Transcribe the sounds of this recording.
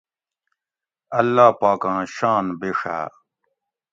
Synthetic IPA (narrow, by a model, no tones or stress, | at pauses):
ɐlːaːpaːkãːɕaːnbeʂa̰ː